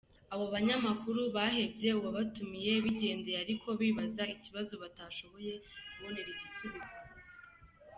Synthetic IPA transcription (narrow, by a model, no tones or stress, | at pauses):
aβo̞βaɲamakuɾuβaɦe̞bje̞uβoβatumije̞βiɟe̞ːndeaɾikʰo̞βiːβazaiciβazoβataːʃo̞βo̞je̞kuβoneɾiɟisuβizo